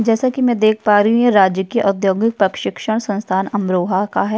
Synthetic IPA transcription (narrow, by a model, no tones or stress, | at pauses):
d͡ʒɛːsakimɛ̃d̪eːkʰpaːɾɐɦũɦɛɾaːd͡ʒjəkiʔɔd̪joːɡɪk̚pɐkʃɪkʃəɽ̃sɐ̃nst̪ʰaːnɐmɾoːɦakaɦɛː